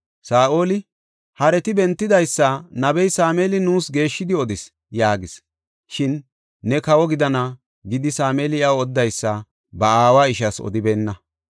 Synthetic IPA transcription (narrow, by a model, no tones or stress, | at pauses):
saːʔo̞ːlɪ | hɐɾɛt̪ɪbɛnt̪ːɪd̪ɐjsːɐnɐbɛjsaːmeːlɪnuːsɡe̞ːʃːɪd̪ɪɔd̪ɪs | jaːɡɪs | ʃɪnː | ɛkɐwɔɡɪd̪ɐnɐ | ɡɪd̪ɪsaːmeːlɪɐwɔd̪ːɐjsːɐ | bɐaːwaɪʃɐsɔ̰d̪ɪbeːnːɐ